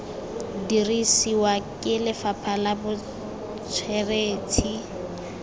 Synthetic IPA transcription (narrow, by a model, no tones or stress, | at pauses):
dirisiwakʼɪlɪfapʰalabʊ | t͡sʰwɛreːtʰi